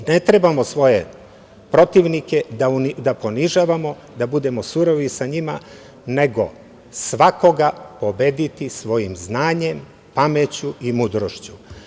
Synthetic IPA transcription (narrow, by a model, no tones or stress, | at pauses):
net̪ɾebamosʋo̞jḛ | pɾo̞t̪iʋniked̪aunid̪apo̞niʒaːʋamo̞ | d̪abud̪e̞mo̞suɾoʋisaɲima | ne̞ɡo̞̰ | sʋako̞ɡapo̞bed̪it̪isʋo̞jimznaːɲe̞m | pamet͡ɕuimud̪ɾoʃt͡ɕu